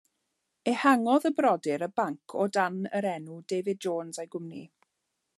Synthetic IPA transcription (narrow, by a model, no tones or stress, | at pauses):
ehaŋɔðəbrɔdɪɾəbaŋkʰɔdanəɾɛnudeːvɪd̚d͡ʒoːnzajɡʊmnḭ